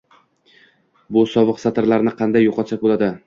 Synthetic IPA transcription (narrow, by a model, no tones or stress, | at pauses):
bʊsɒvɨqsat̪ɪɾlaɾnɪqʰɑnd̪ajːoqʰɒt̪ʃak̚bolˠad̪ɪ